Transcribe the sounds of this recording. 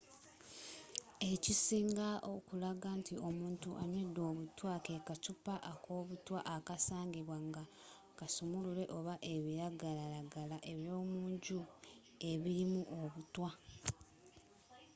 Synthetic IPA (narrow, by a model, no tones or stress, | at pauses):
e̞cisiːŋɡaʔokulaɡantio̞muːntuʔaɲwedːo̞ːβutwakekatupaʔako̞ːβutwaʔakasaːŋɡiβwaŋɡa | kasumuluɾe̞ʔo̞βaʔe̞βiɾaɡalaɾaɡalaʔe̞βjo̞ːmuːɲɟu | e̞βiɾimuʔo̞βutwa